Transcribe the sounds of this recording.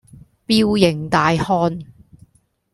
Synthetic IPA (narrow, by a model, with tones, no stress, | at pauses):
piː˥wjɪ˨˩ŋt̪aː˨jhɔː˧˥n